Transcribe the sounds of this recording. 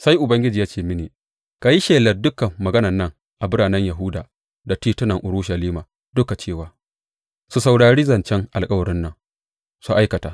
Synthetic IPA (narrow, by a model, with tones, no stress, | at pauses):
sa˦jʔʊ˨bɐ˦ŋɡʲɪ˦d͡ʒiː˨jaː˦t͡ʃeː˦˨mɪ˦neː˨ | ka˨ji˦ʃeː˨lɐ˨rdʊ˦kɐː˨ɐ˨ɡɐ˦nɐ˨nːɐ˦ŋ | ʔa˨bʊ˦ɽaː˨nɛ˦ɲja˨ɦʊ˦daː˨ | da˨tiː˦tʊ˦nɐ˨ŋʔʊ˨ɾʊ˦ʃɐ˨liː˦maː˨ | dʊ˦ka˨t͡ʃeː˦˨waː˨˦ | su˨sa˨wɽaː˨ɽiː˦zɐ˨nt͡ʃɛ˦ŋʔa˨lkʼɐ˦wɐ˨ɾɪ˦nːɐ˦˨ŋ | su˨ʔa˦jkɐ˨taː˨